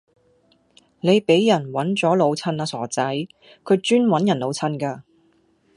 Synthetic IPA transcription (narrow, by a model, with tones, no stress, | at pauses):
ne˨˧jpe˨˥jːɐ˨˩nwɐ˨˥nt͡sɔː˨˥lo˨˧wt͡sʰɐ˧naː˧sɔː˨˩t͡sɐ˨˥j | kʰɵ˨˧ɥt͡ʃyː˥nwɐ˨˥njɐ˨˩nlo˨˧wt͡sʰɐ˧˥nkaː˧